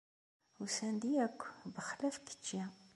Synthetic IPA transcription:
usænd̪iækʷːbəχlæfkːə̥t͡ʃːi

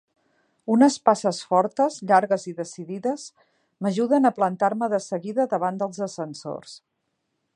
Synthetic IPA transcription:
unəspasəsfɔɾt̪əzʎaɾɣəziðəsiðiðəz | məʒuðənəplənt̪aɾməðəsəɣiðəðəβand̪əlˠzəsənso̰rs

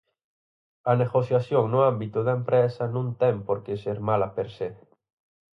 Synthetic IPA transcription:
ɐneɣoθjaθjoŋnʊambit̪ʊðɐempɾɛsɐnũŋt̪ɛŋpoɾkeseɾmalɐpeɾse

